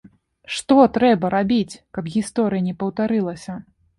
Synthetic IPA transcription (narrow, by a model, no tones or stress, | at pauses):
ʂt̪ɔt̪ɾɛbɐɾabʲit͡sʲkɐbɣʲist̪ɔɾɨjɐnʲɛpɐwt̪aɾɨlˠɐsʲɐ